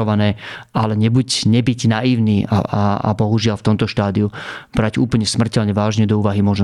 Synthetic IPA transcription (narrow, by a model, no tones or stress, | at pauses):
ɔʋanɛːʔalɛɲɛbucɲɛbiɟnaiːʊniːʔa̰aa̰bɔɦuʒɪalft̪ɔmt̪ɔʃt̪aːd̪iub̥ɾaɟṵːpl̩ɲɛsmr̩cɛʎɲɛʋaːʒɲɛd̪ɔuːʋaɦimʊɔʒn